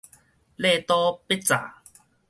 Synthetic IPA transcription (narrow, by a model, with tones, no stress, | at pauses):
le˥˧˨t̪ɔ˦pe˦˥t͡sa˨˩˦